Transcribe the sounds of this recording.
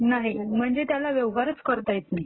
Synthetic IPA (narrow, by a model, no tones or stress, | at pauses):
naɦim̤əɳd͡zet̪jalaʋjeʋɦaɾət͡skəɾt̪ajet̪naɦi